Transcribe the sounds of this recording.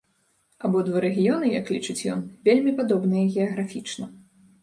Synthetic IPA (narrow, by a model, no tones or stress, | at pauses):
abɔd̪vaɾɛɣʲijɔnɨja̰klʲit͡ʂɨt͡sʲjɔ̰nvʲelʲmʲipad̪ɔbnɨjɐɣʲɛɐɣɾafʲit͡ʂnɐ